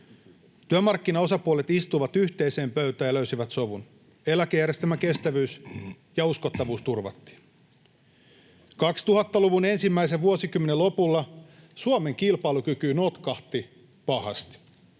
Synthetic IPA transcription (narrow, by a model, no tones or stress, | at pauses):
t̪yømɑrkːinɑo̞sɑpuolet̪ist̪uʋɑt̪yçt̪e̞ise̞ːmpøɥt̪æjɑløysiʋæt̪so̞ʋun | elækejæɾjest̪æmæke̞st̪æʋyːs | jɑuskot̪ːɑʋuːst̪urʋɑ̰t̪ːi̥ːn | kɑkst̪uɦɑt̪ːɑluʋune̞nsimːæiseʋʋuosikymːenelːo̞pulːɑ | suome̞ŋkilpɑilukykynot̪kɑht̪i | pɑhɑ̰st̪